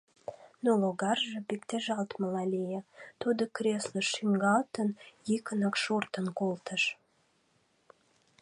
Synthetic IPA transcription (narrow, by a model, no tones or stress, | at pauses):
noloɡɑrʒə̆bikt̪eʒɑlt̪məlɑlʲejət̪ud̪ə̆kɾʲesləʃiŋɡɑlt̪ənjikənəkʃurt̪ənkolˠt̪əʃ